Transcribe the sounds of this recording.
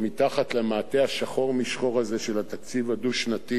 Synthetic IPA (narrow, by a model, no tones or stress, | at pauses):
mit̪aχat̪lemaːt̪e̞haʃaχo̞ʁmiʃχo̞ʁaze̞ʃelat̪ak̚t͡sivaduʃnat̪i